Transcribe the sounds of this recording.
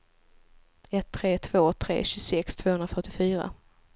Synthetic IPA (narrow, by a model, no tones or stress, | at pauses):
ɛt̪ʰːɾeːt̪ʰvoːt̪ʰɾḛːɕɵsɛkst̪ʰv̥oːhɵnɾafœʈːɪfyːɾa̰